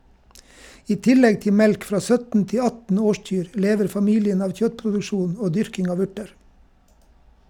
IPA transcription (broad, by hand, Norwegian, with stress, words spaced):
ˈiː ˈtɪˌlɛɡ ˈtɪ ˈmɛlk ˈfɾɑː ˈsœtn̩ ˈtɪ ˈɑtn̩ ˈoːˌʃc͡çyːɾ ə ˈleːʋəɾ fɑˈmiːlɪən ˈɑːʋ ˈçœtpɾʊdʉˌʃuːn ˈoː ˈdʏɾkɪŋ ˈɑːʋ ˈʉʈəɾ